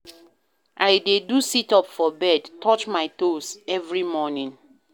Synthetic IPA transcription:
ʔajdedusitɔpfɔbɛdtʰɔt͡ʃmaɪt̪osɛvɹimɔnĩŋ

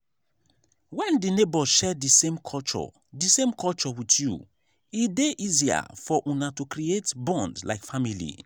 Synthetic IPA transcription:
wɛ̃ndinebɔʃɛdisẽmkʰɔlt͡ʃɔ̰ | disẽmkʰɔlt͡ʃɔwitʰju | ideʔizia̰fɔʔunatukɹietbɔ̃ndla̰ɪkfamilḭ

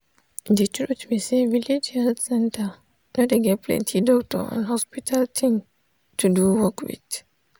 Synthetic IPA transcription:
dɛtuɗutmiseviled͡ʒalsɛ̃nta | nɔdɛɡɛplɛ̰̃ntʰidɔktɔ̰ã̰nhɔspitʰaltʰĩŋ | tuduwɔkwḭd

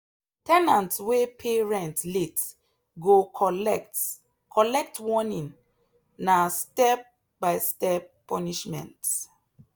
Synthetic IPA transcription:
tʰɛnãntwepʰeɹɛ̃ntlet | ɡo | kʰɔlɛk̚twɔnĩn | nastɛp̚ | baɪstɛp̚pːɔniʃmɛ̰̃nt

